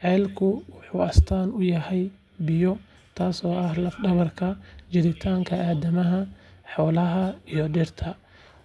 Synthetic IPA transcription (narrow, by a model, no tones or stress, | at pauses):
ʕɛːlkʰʊwʊħuːɐst̪ʰaːnʊjɐhɛj | bɪjɔ | t̪ʰaːsɔːʔɐhlɐfɖɐβɐrkʰɐd͡ʒɪɾɪt̪ʰaːŋkʰɐʔaːdɐmɐɦɐħɔːlɐɦɐijɔɖɪrt̪ʰɐ